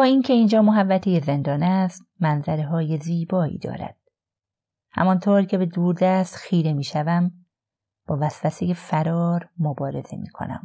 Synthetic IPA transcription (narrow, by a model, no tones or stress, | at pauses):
bɒːiːncʰe̞iːnd͡ʒɒːmoɦævːæt̪ʰeje̞ze̞nd̪ɒːnæst̪̚mænzæɾeɦɒːje̞ziːbɒːḭːd̪ɒ̰ːɾæ̰d̪̥̚ | hæ̰mɒnt̪ʰoːɾcʰe̞be̞d̪uːɾd̪æst̪xiːɾe̞miːʃævæm | b̥ɒːvæsvæseje̞fæɾɒːɾmobɒːɾe̞z̥e̞̰mḭːkʰo̰næ̰m